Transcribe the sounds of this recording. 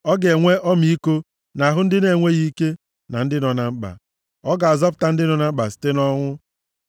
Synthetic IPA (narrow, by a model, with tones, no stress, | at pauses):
ɔ˦ɡe˨ŋʷe˦ʔɔ˦mi˦ko˦ | na˨ɦʊ˦n̩˦dɪ˦ne˨ŋʷe˦ɣi˦i˦ke˦ | na˨n̩˦dɪ˦nɔ˨na˨ŋ͡m̩˦k͡pa̰˨ | ɔ˦ɡa˨a˨zɔ˦pʊ̥˨ta˦n̩˦dɪ˦nɔ˨na˨ŋ͡m̩˦ɡ͡ba˨sɪ̥˨te˦nɔ˦ŋʷʊ˦